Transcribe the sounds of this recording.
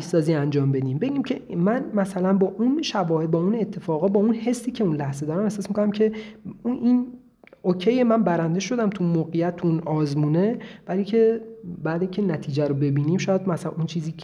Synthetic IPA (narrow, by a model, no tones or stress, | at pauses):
sɒːziːænd͡ʒɒːmbe̞d̪iːmbe̞ɟiːmcʰe̞mænmæsælænbɒːʔunʃævɒːhebɒːune̞t̪ʰːe̞fɒːɣɒːbɒːunhe̞sːiːcʰe̞unlæhz̥ed̪ɒːɾæmehsːsmikonæmcʰe̞uʔin | ocʰejemænbæɾænd̪e̞ʃo̞d̪æmt̪ʰunmoːɣejæt̪̚ʰːuunɒːzmuːne̞væliːcʰe̞bæːd̪icʲʰenæt̪ʰiːd͡ʒæɾobe̞biːniːmʃɒːjæd̪mæslænunt͡ʃʰiːziː